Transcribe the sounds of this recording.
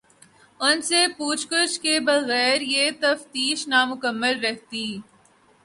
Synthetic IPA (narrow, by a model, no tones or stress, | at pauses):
ʊnsepuːt͡ʃkʊʃkebɐɣɛːɾjet̪ɐft̪iːʃnamʊkəmːəlɾɛɦt̪iː